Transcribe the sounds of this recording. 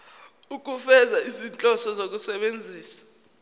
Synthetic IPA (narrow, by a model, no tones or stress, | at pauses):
uk̬ufɛzaizint͡ɬʼɔsɔzok̬usɛɓend͡zʱiːsḁ